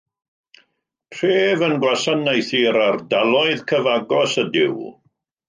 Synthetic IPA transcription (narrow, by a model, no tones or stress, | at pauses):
tʰreːvənɡwasənːejθiɾardalˠɔɨðkʰəvaɡɔsədɪ̰w